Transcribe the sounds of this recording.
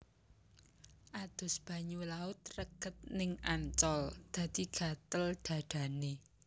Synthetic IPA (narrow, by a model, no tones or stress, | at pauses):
ʔad̪̥ʊ̤sb̥ä̤ɲulaʊt̪rəɡ̥ət̪̚nɪŋant͡ʃɔld̪̥ä̤d̪̥i̤ɡ̥ä̤t̪əlɖ̪̥ä̤d̪̥a̤ne